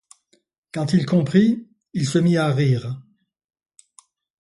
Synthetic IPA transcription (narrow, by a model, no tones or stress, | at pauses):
kɑ̃t̪ilkɔ̃pχi | ilsəmiaʁiːʁ